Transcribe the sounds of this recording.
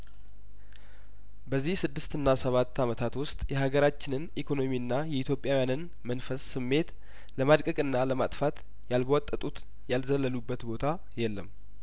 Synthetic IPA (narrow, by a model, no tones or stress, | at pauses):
bəzːihsɨd̪ːɨst̪ɨnːasəβat̪ːamət̪ʰat̪wʊst̪ʼjɛɦaɡəɾat͡ʃːɪnɨnikʰo̞no̞miɨnːajɛit̪jo̞pʼjawjanɨn | mənfəsːɨmːe̞t̪ | ləmad̪kʼəkʼɨnːaləmat̪ʼfat̪ | jalbəwɔt̪ʼːət̪ʼut̪ | jalzəlːəlubːət̪bo̞t̪ʰa | jɛlːəm